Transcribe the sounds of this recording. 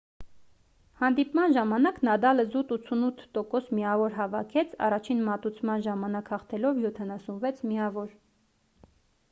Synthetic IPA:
hɑnd̪ipmɑnʒɑmɑnɑknɑd̪ɑləzut̪ut͡sʰunut̪ʰːɔkɔsmiɑvɔɾɦɑvɑkʰɛt͡sʰɑ̰rɑt͡ʃʰinmɑt̪ut͡sʰmɑnʒɑmɑnɑkhɑχt̪ʰɛlɔvjɔt̪ʰɑnɑsunvɛt͡sʰmiɑvɔɾ

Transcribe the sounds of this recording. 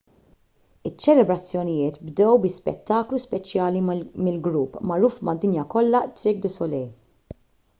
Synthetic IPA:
ɪt͡ʃːɛlɛbɾɐt͡sːjɔnɪjɪːt̪bd̪ɛwbɪspɛ̰t̪ːɐːkluspɛt͡ʃjɐːlimɪlɡɾupːmɐɾuːfmɐd̪ːɪnjɐkɔlːɐt͡sɪɡ̚d̪ɪsɔlɛj

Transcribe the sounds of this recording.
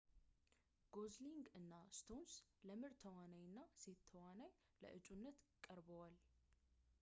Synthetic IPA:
ɡ̥o̞zliŋɡɨnːast̪ʰo̞nsləmɨɾt̪ʰəwanajɨnːase̞t̪ʰːəwanaj | lə̰ʔɨt͡ʃʼunːət̪kʼəɾbəwal

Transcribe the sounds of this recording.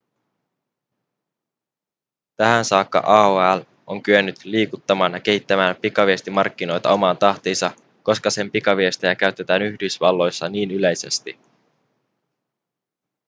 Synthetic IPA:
t̪æɦænsɑːkːɑ̰ʔɑːoæl | ʔo̞ŋkyønːyt̪liːkut̪ːɑmɑːnjɑk̟e̞ɦit̪ːæmæːmpikɑʋie̞st̪imɑrkːino̞jt̪ɑo̞mɑːnt̪ɑht̪iːnsɑ | ko̞skɑse̞mpikɑʋie̞st̪ejækæɥt̪ːe̞t̪æːnyçdysʋɑlːo̞jsːɑniːnyle̞jse̞̰st̪i

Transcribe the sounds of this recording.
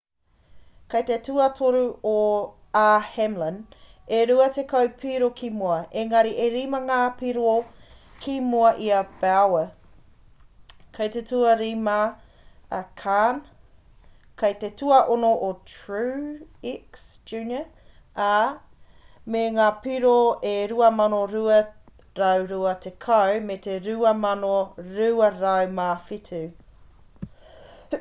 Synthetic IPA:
kɐjt̪etuɐtʰoɾuo | ahɛmləneɾuɐtekɐwpʰiɾokʰimuɐeŋɐɾiʔeɾiːmɐŋaːpiɾoo | kʰimuɐʔiɐb̥ɛawə | kʰɐjtetʰuɐɾiːma | ɐkʰan | kʰɐjtetuɐʔonoʔotɹʉiksd͡ʒʉːnə | a | meŋaːpiɾoeɾuɐmɐnoɾuɐ | ɾɐwɾuɐt̪ʰekʰɐwmet̪eɾʉɐmɐnoɾʉːɐɾɐwmaːfitʰʉ

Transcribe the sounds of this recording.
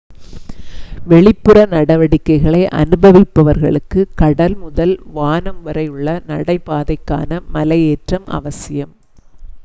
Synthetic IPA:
ʋɛɭɪpːɯrɐnɐɽɐʋɐɽɪkːɐɪɣɐɭɐɪʔɐ̰nɯbɐʋɪpːɐʋɐɾɣɐɭɯkːɯkɐɽɐlmʊðɐlʋaːnɐmʋɐɾɐjɯɭːɐnɐɽɐɪpaːðɐɪkːa̰ːnɐmɐlɐjeːʈrɐmʔɐ̰ʋɐsɪjɐm

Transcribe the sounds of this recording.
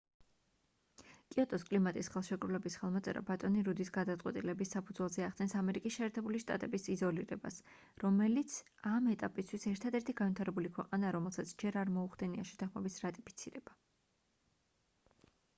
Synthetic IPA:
kʼiɔt̪ʼɔskʼlimat̪ʼisχɛlˠʃɛkʼɾulɛbisχɛlˠmɔt̪sʼɛ̰ɾa̰bat̪ʼɔniɾud̪isɡad̪at̪sʼqʼwɛt̪ʼilɛbisːapʰud̪zwɛlˠzɛaχd̪ɛnsamɛɾikʼisʃɛːɾt̪ʰɛbuliʃt̪ʼa̰t̪ʼɛbisizɔliɾɛ̰ba̰s | ɾɔmɛlit̪sʰ | amɛt̪ʼapʼist̪ʰwisɛɾt̪ʰad̪ɛɾt̪ʰiɡanvit̪ʰaɾɛbulikʰwɛqʼanaɾɔmɛlˠsat̪sʰd͡ʒɛɾaɾmɔuχd̪ɛniaʃɛ̥t̪ʰaχmɛbisɾat̪ʼipʰi̥t̪sʰiɾɛba

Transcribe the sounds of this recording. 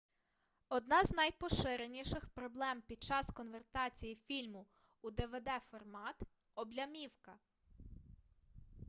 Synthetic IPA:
ɔd̪nɑznɐjpɔʃɪɾenʲiʃɪxpɾɔblˠɛmpʲid̪̚t͡ʃɑskɔnʋert̪ɑt͡sʲijifʲilʲmʊ | ud̪eʋed̪ɛfɔrmɑt̪ | ɔblʲɐmʲiwkɐ

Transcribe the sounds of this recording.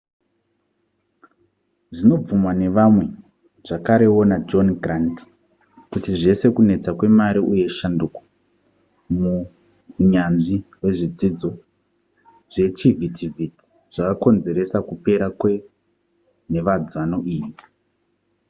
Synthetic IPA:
ʐino̞b͡vumwane̞ʋamwe̞ | ʐ̥akaɾe̞wo̞nad͡ʒo̞nɡranti̥ | kutiʐe̞se̞kune̞t͡sakwe̞maɾiuje̞ʃandukwḁ | mu | ɲanʐiwe̞ʐid͡zid͡zo̞ | ʐ̥e̞t͡ʃivitʰivʱiti̥ | ʐ̥akako̞nze̞ɾe̞sakupe̞ɾakwe | ne̞ʋad͡zano̞ʔiːʋi

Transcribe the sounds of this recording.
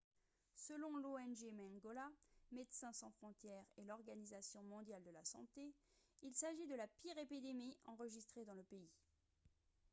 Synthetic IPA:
səlɔ̃loɛnʒemɛ̃ŋɡɔlamed̪sɛ̃sɑ̃fχɔ̃t̪jɛʁelɔʁɡanizasjɔ̃mɔ̃d̪jald̪əlasɑ̃t̪eilsaʒid̪əlapiʁepid̪emiɑ̃ʁəʒist̪χed̪ɑ̃ləpei

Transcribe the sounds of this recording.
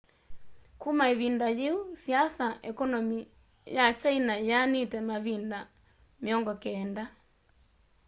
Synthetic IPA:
kumaeβindajeusiasaʔɛkɔnɔmi | jat͡ʃainajanitɛmaβinda | meɔŋɡɔkɛːnda

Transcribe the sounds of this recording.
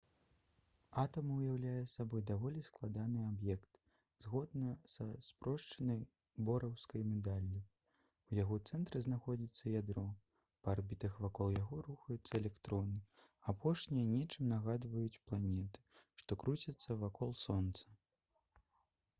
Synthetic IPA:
at̪ɐmɐwjawlʲajɛsabɔjd̪avɔlʲisklˠad̪anɨabjɛkt̪ | zɣɔd̪nɐsɐspɾɔʂt͡ʂɐnɐj | bɔɾɐwskɐjmʲɛd̪alʲːi | wjaɣɔt̪sɛnt̪ɾɨznaxɔd͡zʲit̪sːɐjad̪ɾɔ | pɐarbʲit̪ɐxvakɔlˠjaɣɔɾuxɐjut̪sːɐɛlʲɛkt̪ɾɔnɨ | apʰɔʂnʲijɐnʲɛt͡ʂɨmnaɣad̪vɐjut͡sʲplˠanʲɛt̪ɨ̥ʂt̪ɔkɾut͡sʲɐt̪sːɐvakʰɔlˠsɔnt̪sɐ̥

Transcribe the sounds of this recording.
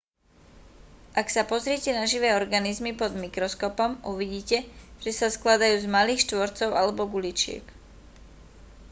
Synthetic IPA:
ʔaksapɔzɾɪɛcɛnaʒiʋɛːɔɾɡanizmipɔd̪mikɾɔskɔpɔmʔuʋiɟiːcɛʒ̥ɛsasklad̪ajuːzmaliːxʃt̪ʋɔɾt͡sɔʊʔalɛbɔɡulit͡ʃɪɛ̰k

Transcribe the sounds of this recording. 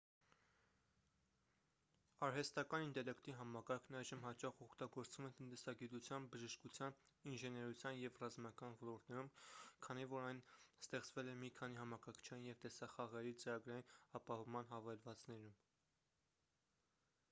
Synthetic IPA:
ɑɾɦɛst̪ɑkɑnint̪ɛlɛkt̪iɦɑmɑkɑɾkʰnɑjʒəmɦɑt͡ʃɑχɔkʰt̪ɑɡɔɾt͡svumɛt̪ənt̪ɛsɑɡit̪ut͡sʰjɑnbəʒəʃkut͡sʰjɑninʒɛnɛɾut͡sʰjɑnjɛvrɑzmɑkɑnvɔlɔɾt̪nɛɾumkʰɑnivɔɾɑjnst̪ɛχt͡svɛlɛmikʰɑniɦɑmɑkɑkʰə̥t͡ʃʰɑnjɛvt̪ɛsɑχɑʁɛɾit͡səɾɑɡɾɑjinɑpɑhɔvmɑn̪ɦɑvɛlvɑt͡snɛɾum

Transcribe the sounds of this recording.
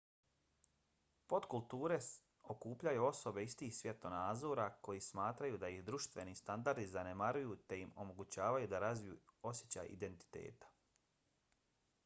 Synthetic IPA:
po̞t̪kulˠt̪uːɾe̞ | o̞kuːpʎajuo̞so̞be̞ist̪iːxsʋje̞t̪onaːd̪zo̞ɾako̞jismaːt̪ɾajud̪ajihd̪ɾuʃt̪ʋe̞nist̪and̪aɾd̪izanemaɾujut̪e̞jimo̞mo̞ɡut͡ɕaːʋajud̪aɾazʋijṵo̞sʲjet͡ɕa̰ḭd̪e̞nt̪i̥t̪e̞̰ːt̪ḁ

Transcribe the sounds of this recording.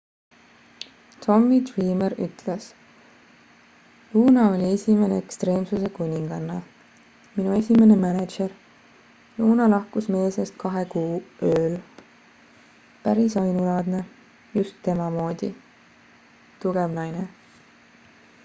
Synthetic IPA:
t̪ʰo̞mːid̪riːmeɾy̰t̪les | uːnɑo̞lʲie̞sʲime̞ne̞ekst̪re̞ːmsuse̞kunʲiŋɡ̥ɑnːɑ | minue̞sʲime̞ne̞mæne̥ʒeɾ | juːnɑlɑhkusme̞ːse̞st̪̚kɑɦe̞kuːøːl | pæɾisɑjnulɑːd̪ne | just̪ːe̞mɑmo̞ːd̪̥i | t̪uɡ̥evnɑjne

